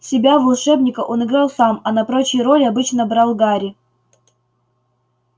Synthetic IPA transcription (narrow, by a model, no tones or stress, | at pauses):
sʲɪbʲavɐlˠʂɛbnʲɪkəʔo̞nɨɡɾalˠsamɐnɐpɾo̞t͡ɕɪjɾo̞lʲɪɐbɨt͡ɕnəbɾalˠɡaɾʲɪ